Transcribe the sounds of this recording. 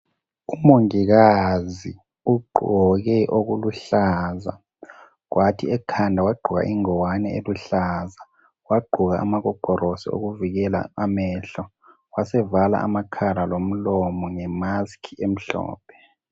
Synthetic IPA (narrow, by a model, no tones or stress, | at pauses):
umoŋik̬azi | uɡ͡ǃʱɔɣ̬ɛʔoɣuluɬaːza̰ | k̬watʰiɛkʰandʱawaɡ͡ǃʱuɣa̰ʔiŋɔwanɛeluɬaza | waɡ͡ǃʱuɣaʔa̰maɣɔɡ͡ǃ̥ʱɔrosḭo̰ɣuviɣ̬ɛla̰amɛɬɔ | wasɛvala̰ʔa̰makʰalalom̩lɔmɔŋɛmaskʰiem̩ɬɔ̰ːpʰɛ̥